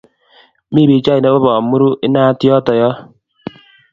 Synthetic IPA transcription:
mi˦˨bi˨˦t͡ʃa˦i˨nɛ˦bo˦βɔ˨mu˦ɾu˦ʔɪ˦naː˦tjɔ˦tɔ˨jɔ˦

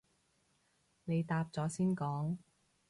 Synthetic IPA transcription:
ne˨˧jt̪aː˧p̚t͡sɔː˨˥siː˥nkɔː˨˥ŋ

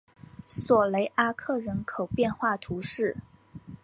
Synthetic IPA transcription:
swɔ˨˩le˧˥ɪʔa˥kʰɤ˥˩ɻə˧˥nkʰo˨˩ʊpjɛ˥˧nxwa˥˩t̪ʰu˧˥ʂɻ̩˥˩

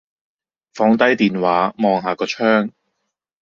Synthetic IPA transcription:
fɔː˨˥ŋt̪ɐ˥jt̪iː˨nwaː˨˧˥mɔː˨˧ŋɦaː˨˧kɔː˧t͡ʃʰœː˥ŋ

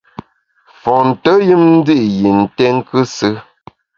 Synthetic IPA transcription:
fɔ˨n̩˨tə˦ji˦mn̩˦di˦ʔji˨n̩˨tɛ˦ŋ˦kɨ˦sɨ˦

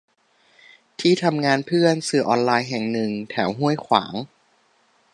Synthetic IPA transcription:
t̪ʰiː˥˩t̪ʰa˧mŋaː˧npʰɯ˥˩ənsɯː˨˩ʔɔː˧nlaː˧jɦɛ˨˩ŋnɯ˨˩ŋt̪ʰɛː˩˦wɦu˥˩əjkʰwa̰ː˩˦ŋ

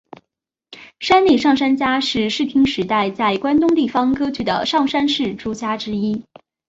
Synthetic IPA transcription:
ʂa˥nli˥˩ʂɑ˥˩ŋʂa˥nt͡ɕja˥ʂɻ̩˥˧ʂɻ̩˥˩t̪ʰi˥ŋʂɻ̩˧˥t̪a˥˧ɪt͡sa˥˩ɪkwa˥nt̪ʊ˥ŋt̪i˥˩fɑ˥ŋkɤ˥t͡ɕy˧˥d̪ə̰˨ʂɑ˥˩ŋʂa˥nʂɻ̩˥˩ʈ͡ʂu˥t͡ɕja˥ʈ͡ʂɻ̩˥i˥

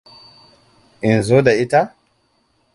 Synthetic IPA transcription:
ʔɪ˨nzoː˦da˨ʔɪ˦ta˦

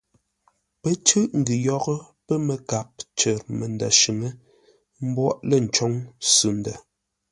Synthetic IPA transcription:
pə˦t͡ʃʉ˦ʔŋ̩˨ɡi˨jɔ˦ɣə˦ | pə˦mə˨ka˨p̚t͡ʃə˨ɾmə˨n˨da̰˨ʃʉ˨ŋə˦ | m̩˦bwɔ˦ʔlə˦˨n̩˨t͡ʃɔ˦ŋsʉ˨ndə˨

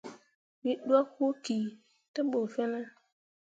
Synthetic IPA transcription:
mi˨ɗu˦a˦ku˦ki˨ | ta˦ɓo˨fɛ˦na˦

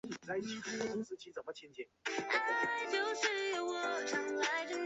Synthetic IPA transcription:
t͡sa˧˥ɪt͡ɕʰi˧˩t̪ʰu˥ə˧˩kʊ˥ŋsɹ̩˧˥t͡ɕʰi˧˥t͡sə˨˩mə˦t͡ɕʰjɛ˥˧nt͡ɕʰɛ˥˩na˧t͡ɕjo˥˧ʊʂɻ̩˥˧wɔ˨˩ʈ͡ʂʰə˧˥ŋla˧˥ɪə˧

